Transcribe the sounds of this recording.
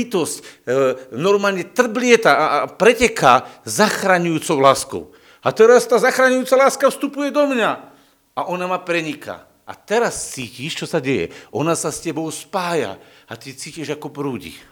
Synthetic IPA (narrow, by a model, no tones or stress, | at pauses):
it̪ɔsc | nɔɾmaːlɲɛt̪r̩blɪɛt̪apɾɛcɛkaːzaxɾaɲujuːt͡sɔʊlaːskɔ̰ʊ | at̪ɛɾast̪aːzaxɾaɲujuːt͡salaːskafst̪upujɛd̪ɔmɲa | aʔɔnamapɾɛɲika̰ | ʔa̰t̪ɛɾast͡siːciʃt͡ʃɔsaɟɛjɛ̰ʔɔnasascɛbɔʊspaːja̰at̪it͡siːciʒakɔpɾuːɟḭ